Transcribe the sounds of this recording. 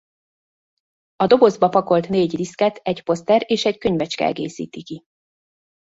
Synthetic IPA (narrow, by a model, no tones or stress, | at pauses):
ɒd̪o̞bo̞zbɒpɒko̞lt̪neːɟriskɛt̪ɛɟpo̞st̪ɛɾeːʃɛckøɲvɛt͡ʃkɛ̰ɛ̰ɡḛːsḭːt̪iki